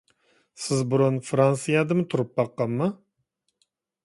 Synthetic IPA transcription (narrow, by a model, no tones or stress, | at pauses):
sɪzbʊɾʊnfɾɑnsɨjɑd̪ɨmɨt̪ʰʊɾɨp̚bɑqːɑmːɑ